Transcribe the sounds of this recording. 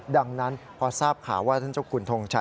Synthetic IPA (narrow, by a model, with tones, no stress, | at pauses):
da˧ŋna˦˥npʰɔː˧saː˥˩p̚kʰaː˩˦waː˥˩a˥˩nt͡ɕa˧˩wkʰuː˧nt̪ʰo˧ŋt͡ɕʰa˧˥˩